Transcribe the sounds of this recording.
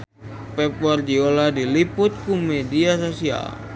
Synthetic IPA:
pɛpɔrd͡ʒioladilipʊt̪̚kumɛdiasosia̰l

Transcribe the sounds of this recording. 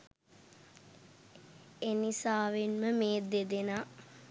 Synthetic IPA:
enisaːʋenməmeːd̪ed̪enaː

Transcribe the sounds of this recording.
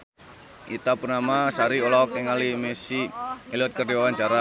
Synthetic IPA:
ʔḭt̪apurnamasaɾiolaɔk̚eŋalimesimelat̪̚kərdiwawand͡ʒaɾa

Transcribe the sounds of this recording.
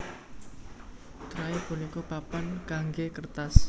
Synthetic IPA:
d̪̥ɾaipunikɔpapankaŋɡekərt̪as

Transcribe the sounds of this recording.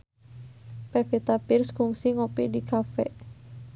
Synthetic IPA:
pɛfit̪apɪrskuŋsiŋopidikafɛ̰ʔ

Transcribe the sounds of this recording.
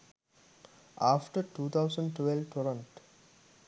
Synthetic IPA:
ʔaːfʈəɾʈuːt̪ʰaʊsə̃ɳɖʈʋɛlʋʈʰɔɾə̃nʈ

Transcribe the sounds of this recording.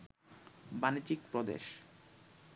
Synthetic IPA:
banit̪ik̚pɾod̪ḛʃ

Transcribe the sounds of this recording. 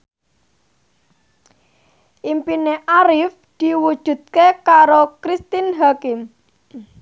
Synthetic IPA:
ʔimpineʔaɾɪf | d̪̥i̤wud̥ʒ̥ṳd̪̚kekaɾokɾist̪inɦakɪm

